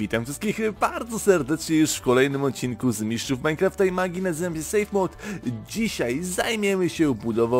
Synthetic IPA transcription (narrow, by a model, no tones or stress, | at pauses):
vʲit̪amfʂɘst̪kʲixbaɾd̪zɔsɛɾd̪ɛt͡ʂɲɛjuʂfkɔlɛjnɘmɔt̪̚t͡ɕːinkuzmʲiʂt͡ʂufmajnkɾaft̪ɛjmaɡʲinazɘvamɕɛsɛjfmɔt̪d͡ʑiɕajzajmʲjɛmɘɕɛubud̪ɔva